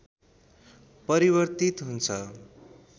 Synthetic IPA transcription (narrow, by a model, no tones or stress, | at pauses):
pʌɾiβʌrt̪it̪ɦunt͡sʰʌ